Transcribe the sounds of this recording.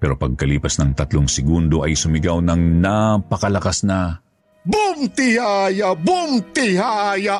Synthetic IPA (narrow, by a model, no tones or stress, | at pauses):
pɛːɾo̞pɐɡ̚kɐliːpɐsnɐŋt̪ɐt̪loŋsɪɡund̪oʔɐjsʊmɪɡawnɐŋnapɐkɐlɐkasnɐ | bʊmt̪ɪhajabʊmt̪ɪhaja